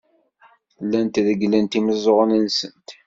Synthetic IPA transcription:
lːænt̪ðəɡlənt̪iməzˤoʁənənsənt̪

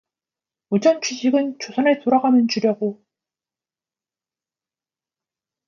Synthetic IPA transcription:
od͡ʑʌnt͡ɕʰiɕʰiɡɯnt͡ɕʰosʰʌnɯɭtoɾaɡamjʌnt͡ɕuɾjʌɡo

